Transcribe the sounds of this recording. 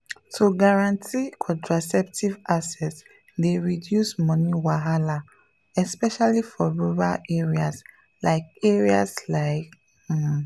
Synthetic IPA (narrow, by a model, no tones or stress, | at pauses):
tʰuɡaɹãntʰikʰɔ̃ntʰɹasɛp̚tivasɛt | deɹidjusmɔniwaɦala | ɛspɛʃalifɔɹuɹaleɹias | laɪkeɹia̰slaɪk